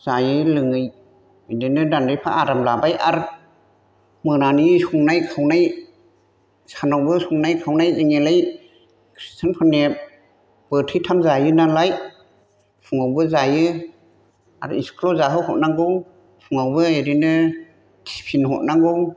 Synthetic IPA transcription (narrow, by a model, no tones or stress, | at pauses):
zajɯlɯŋɯj | edinɯdandɯjpʰa̰ʔaɾamlabajʔaɾ | mɯnanisuŋnajkʰawnaj | sanawbɯsuŋnajkʰawnajziŋelaj | kʰɾistʰanpʰɔne | b̥ɯtʰɯjtʰamzajɯnalaj | pʰuŋawbɯzajɯ | a̰ɾḭskʰlɔzaɦɯwhɔt̚naŋɡɯw | pʰuŋawbɯeɾinɯ | tʰi̥pʰinhɔ̰t̚naŋɡɯw